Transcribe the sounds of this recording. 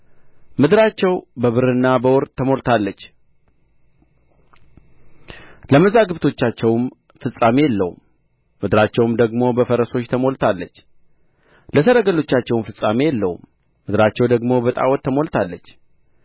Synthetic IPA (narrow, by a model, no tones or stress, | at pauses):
mɨd̪ɨɾat͡ʃːɛwbəβɨɾɨnːabəwɔɾt̪ʰːəmo̞lt̪ʰalːət͡ʃː | ləməzaɡɨβt̪ʰo̞t͡ʃːat͡ʃːɛwm | fɨsʼamejɛlːə̰hṵmː | ɨd̪ɨɾat͡ʃːɛwumd̪əɡmo̞bəfəɾəso̞t͡ʃːt̪ʰəmo̞lt̪ʰalːət͡ʃː | ləsəɾəɡəlo̞t͡ʃːat͡ʃːɛwnfɨsʼame̞jɛlːəhṵmː | ɨd̪ɨɾat͡ʃːɛwd̪əɡmo̞bət̪ʼa̰wɔt̪ʰːəmo̞lt̪ʰalːət͡ʃː